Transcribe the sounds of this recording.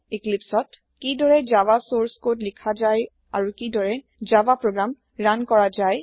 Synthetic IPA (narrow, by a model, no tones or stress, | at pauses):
iklipsɔt | kidɔɹɛd͡ʒabasoɹskotlikʰazaj | aɹukidɔɹɛ | d͡ʒabapɹoɡɹam | ɹankɔɹazaj